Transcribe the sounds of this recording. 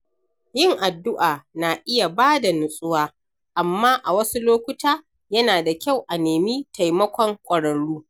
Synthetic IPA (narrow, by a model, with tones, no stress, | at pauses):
jɪ˦˨ŋʔa˨dːʊ˦ʔaː˨na˨ʔɪ˦ja˨baː˦da˨nʊ˨sʼʊ˦waː˦ | ʔa˨mːaː˦ʔa˨wɐ˦su˦loː˦kʷʊ˦taː˦ | jɐ˦naː˨da˨kʲa˦˨wʔa˨neː˨mi˦tʰa˨jmɐ˦kʷɔ˨ŋkʷʼɐ˨ɽɐ˨ɽɽuː˦